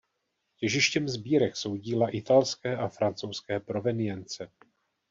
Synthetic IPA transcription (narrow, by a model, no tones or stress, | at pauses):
cɛʒɪʃcɛmzbiːɾɛkso̞wɟiːlaʔɪt̪alskɛːʔafɾant͡sowskɛːpɾo̞vɛnɪjɛnt͡sɛ